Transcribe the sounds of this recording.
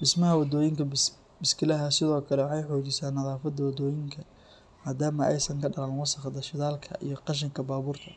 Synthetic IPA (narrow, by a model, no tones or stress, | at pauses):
bɪsmɐɦɐwɑd̪ɔːjɪŋkʰɐ | bɪskʰɪlɐɦɐsɪðɔːkʰɐlɛwɑħɑjħɔːt͡ʃɪsaːnːɐðɑːfɐd̪ɐwɐd̪ɔːjɪŋkʰɐ | maːd̪aːmɐʔɛ̰jsɐŋkʰɐɖɐlaːnwɑsɐqd̪ɐʃɪðaːlkʰɐ̰ʔḭjɞqɑʃ̬ɪŋkʰɐbaːβuːrt̪ʰɐ